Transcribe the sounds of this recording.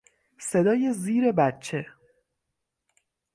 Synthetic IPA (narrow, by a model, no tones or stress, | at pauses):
se̞d̪ɒːje̞ziːɾe̞bæt̚t͡ʃʰe̞